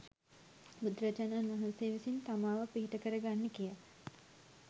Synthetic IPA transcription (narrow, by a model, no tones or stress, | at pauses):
bud̪ɾət͡ʃənaːnaɦɐnseːʋisint̪amaːʋəpiɦiʈəkəɾəɡanːekijə